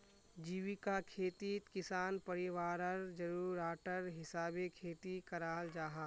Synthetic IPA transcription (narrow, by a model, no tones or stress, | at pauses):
d͡ʒiːʋikakʰeːt̪iːt̪kɪsaːnpɐɾɪʋaːɾəɾd͡ʒɐɾuːɾaːʈəɾɦɪsaːbekʰeːt̪ikɐɾaːld͡ʒaːɦa